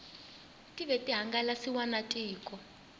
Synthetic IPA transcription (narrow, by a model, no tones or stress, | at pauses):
tʼiβɛtʼiɦaŋɡalasiwanatʼiːkʼɔ